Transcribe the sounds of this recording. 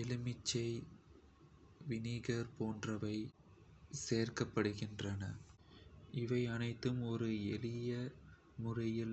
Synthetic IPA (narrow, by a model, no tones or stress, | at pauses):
ɛlɯmɪt͡ʃːɐɪ | ʋɪniːɣɐɾpoːndrɐʋɐɪ | seːrkɐpːɐɽɯɣɪndrɐnɐ | ɪʋɐɪɐnɐɪt̪ːɯmɔɾɯɛlɪjɐ | mʊrɐjɪl